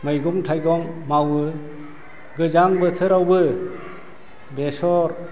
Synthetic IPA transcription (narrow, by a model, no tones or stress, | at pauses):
mɯjɡɔmtʰajɡɔŋmawɯ | ɡɯd͡ʒaŋbɯtʰɯɾawbɯ | besɔɾ